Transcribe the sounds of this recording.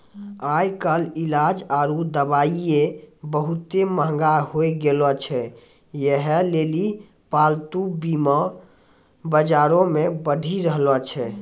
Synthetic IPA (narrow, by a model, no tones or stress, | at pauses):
ajkəlilad͡ʒaɾud̪əbaiebəɦut̪eməɦŋɡaɦoeɡelɔt͡ʃʰɛ | jɛɦɛleli | palt̪ubima | bəd͡ʒaɾõmebəɖʱiɾəɦlɔt͡ʃʰɛ